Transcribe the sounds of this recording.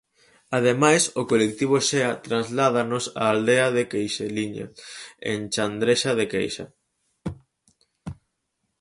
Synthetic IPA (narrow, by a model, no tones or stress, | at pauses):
aðemajsokolek̚t̪iβ̞oʃeat̪ɾanzlað̞anosa̰ːld̪eaðekejʃeliɲa̰ḛnt͡ʃand̪ɾeʃaðekḛjʃa̰